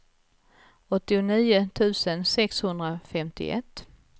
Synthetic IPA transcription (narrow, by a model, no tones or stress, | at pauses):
ɔt̪ːɪʊniːʊt̪ʰʉ̟ːsənsɛkshɵnd̪ɾafɛmt̪ɪ̰ʔɛ̰t̪ː